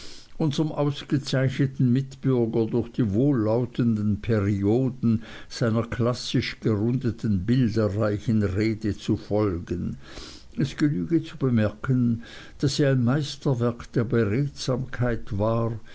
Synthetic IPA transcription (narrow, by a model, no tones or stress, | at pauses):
ʔʊnzəmʔaʊsɡ̥ət͡saɪçnətn̩mɪtb̥ʏɐɡɐdʊɐçd̥iːvoːlːaʊtʰəndən̩pʰeʁioːdn̩z̥aɪnɐkʰl̥asɪʃɡ̥əʁʊndətʰn̩bɪldəʁaɪçənʁeːdət͡sufɔlɡən | ʔɛsɡ̥ənyːɡət͡subəmɛɐkʰən | d̥aseːɐaɪnmaɪstɐvɛɐkd̥eːɐbəʁeːtz̥aːmkʰaɪtv̥aː